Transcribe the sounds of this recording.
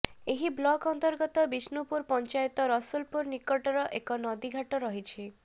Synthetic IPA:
eɦiblɔkɔnt̪ɔɾɡɔt̪ɔbisnupuɾpɔnt͡ʃajet̪ɔɾɔsulpuɾnikɔʈɔɾɔʔekɔnɔd̪iɡʱaʈɔɾɔɦit͡ʃʰi

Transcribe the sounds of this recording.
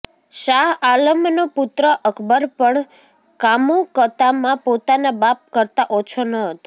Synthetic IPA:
ʃaɦaləmnoput̪ɾəʔəkʰbəɾpəɳ | kamũkət̪amãpot̪anabap̚kəɾt̪aʔot͡ʃʰonəɦət̪o

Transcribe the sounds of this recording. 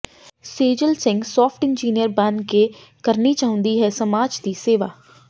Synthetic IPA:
seːd͡ʒəlsɪ̃ŋɡsɔːpʈɪ̃nd͡ʒiːnijəɾbanke | kəɾnit͡ʃaːɦʊ̃nd̪iɦɛːsəmaːd͡ʒd̪iːseːʋa̰ː

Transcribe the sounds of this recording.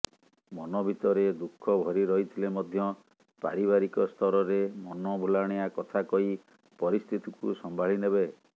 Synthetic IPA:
mɔnɔbʱit̪ɔɾed̪ukʰːɔbʱɔɾiɾɔɦit̪ʰilemɔd̪ʱjɔ | pa̰ɾiβaɾikɔst̪ʰɔɾɔɾemɔnɔbʱulaɽ̃ejakɔt̪ʰakɔɦi | pɔɾist̪ʰit̪ikṵsɔmbʱaɭ̤inebe

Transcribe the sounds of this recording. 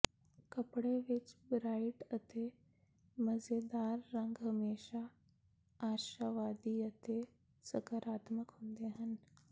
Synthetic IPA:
kəpɽeʋit͡ʃbɾaiʈət̪ʰe | məzed̪aːɾːəŋɡɦəmeːʃaː | ɾʃəʋad̪iət̪e | səkəɾaːt̪məkɦoːnd̪eɦan

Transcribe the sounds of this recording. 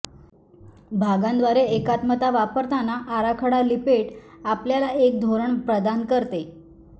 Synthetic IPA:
bʱaɡãnd̪ʋaɾeːkat̪mət̪aʋapəɾt̪anaʔaɾakʰəɽalipeʈ | apljalaek̚d̪ʱoɾəɳpɾəd̪ankəɾt̪e

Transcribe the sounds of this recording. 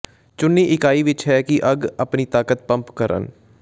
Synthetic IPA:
t͡ʃʊnːiːʔɪkaːiːʋɪt͡ʃɦɛːkɪʔəɡəpniːt̪aːkət̪̚pəmpkəɾə̰n

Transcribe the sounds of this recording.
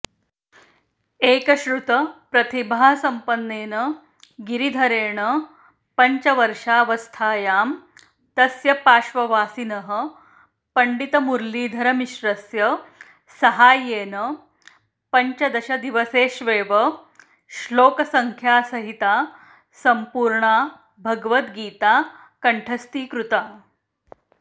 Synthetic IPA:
eːkɐɕɾut̪ɐpɾɐt̪ibʱasɐmpənːeːnɐ | ɡiɾid̪ʱɐɾeːɳə | pɐɲt͡ʃɐʋɐɾʂaːʋɐst̪ʰaːjaːm | t̪ɐsjɐpaːʃʋɐʋaːsinɐɦə | pɐɳɖit̪ɐmuɾliːd̪ʱɐɾɐmiɕɾɐsjɐ | sɐɦaːjeːnə | pɐɲt͡ʃɐd̪ɐɕɐd̪iʋɐseːʃʋeːʋɐ | ʃloːkɐsɐŋkʰjaːsɐɦit̪aː | sɐmpuːɾɳaː | bʱɐɡʋɐt̪ɡiːt̪aː | kɐɳʈʰɐst̪iːkɾut̪aː

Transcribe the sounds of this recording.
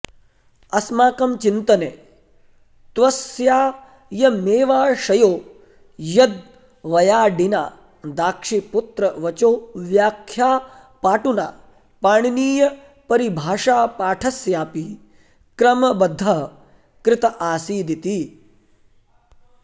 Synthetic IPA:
ɐsmaːkɐmt͡ʃint̪ɐneː | t̪ʋɐsjaː | jɐmeːʋaːʃɐjoː | jɐd̪̚ | ʋɐjaːɖinaː | d̪aːkʂipʊt̪ɾɐʋɐt͡ʃoːʋjaːkʰːjaː | paːʈuna̰ː | paːɳ̃niːjɐ | pɐɾibʱaːʂaːpaːʈʰɐsjaːpi | kɾɐmɐbɐd̪ʱːɐɦ | kɾɪt̪ɐʔaːsiːd̪it̪iː

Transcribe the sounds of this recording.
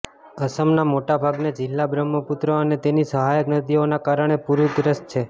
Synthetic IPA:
əsəmnamoʈabʱaɡned͡ʒɪlːabɾəmːəput̪ɾəənet̪enisəɦajəknəd̪ionakaɾəɳ̃epuɾud̪ɾəst̪t͡ʃʰe

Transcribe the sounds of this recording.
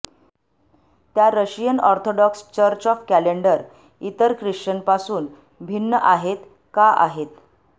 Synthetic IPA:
t̪jaɾəɕijənɔɾt̪ʰoɖɔkst͡ɕəɾt͡ɕɔfkæleɳɖəɾ | it̪əɾkɾiʂt͡ɕənpasuːn | bʱinːəʔaɦet̪ | kaʔa̰ɦet̪

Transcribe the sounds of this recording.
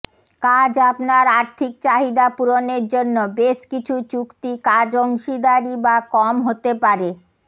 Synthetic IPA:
kad͡ʑapnaɾaɾt̪ʰik̚t͡ɕaɦid̪apuɾoneɾd͡ʑonːobeʃkit͡ɕʰut͡ɕukt̪ikad͡ʑoŋʃid̪aɾibakɔmɦot̪epaɾe

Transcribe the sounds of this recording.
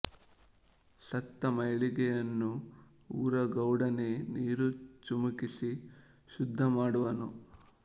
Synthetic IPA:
sɐt̪ːɐmɐjɭiɡɛjɐnːu | uːɾɐɡɐwɽɐne̞niːɾut͡ʃumukisi | ʃud̪ʱːɐmaːɽuʋɐnu

